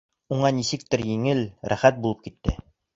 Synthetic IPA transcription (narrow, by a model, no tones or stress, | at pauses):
uɴɑnisɘk̚t̪ɘɾjiŋɘlɾæ̰χæt̪̚bulˠɤp̚kit̪ːɘ̰